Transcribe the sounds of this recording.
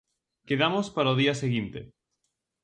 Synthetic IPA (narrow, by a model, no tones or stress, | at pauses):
keðamospaɾaoðiɐseɣint̪e